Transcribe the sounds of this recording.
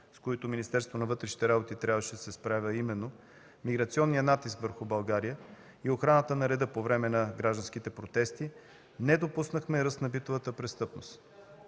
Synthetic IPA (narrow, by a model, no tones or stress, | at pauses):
skoit̪ominist̪ɛɾst̪vonɐvɤt̪ɾɛʃi̥t̪ɛɾabot̪it̪ɾʲabvəʃɛd̪ɐsɛspɾavʲəimɛnːo | miɡɾɐt̪siɔnːijənat̪iskvəɾxʊbɐlˠɡaɾijə | ioxɾanət̪ənɐɾɛd̪ɤpovɾɛmɛnɐɡɾaʒd̪ɐnskit̪ɛpɾot̪ɛst̪i | nɛd̪opusnəxmɛɾɤst̪nɐbit̪ovət̪əpɾɛst̪ɤpnost̪